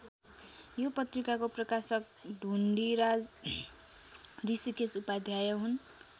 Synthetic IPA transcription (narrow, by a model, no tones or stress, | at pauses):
jopʌt̪rikakoprʌkasʌk̚ | ɖʱuɳɖiɾad͡z | risikesupad̪ʱjajʌɦun